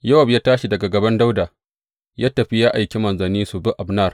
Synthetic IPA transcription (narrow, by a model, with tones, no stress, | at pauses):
jɐ˦wɐ˨bja˦taː˦ʃi˨dɐ˨ɡa˨ɡɐ˨bɐ˦nda˦wda˨ | jaː˦tɐ˨ɸi˦jaː˦ʔa˨jkʲi˦mɐ˨nzɐ˨niː˦su˨bʊ˦ʔa˨bnɐ˦˨r